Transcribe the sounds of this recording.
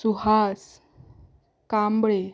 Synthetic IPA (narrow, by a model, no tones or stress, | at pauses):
suɦas | kambɭe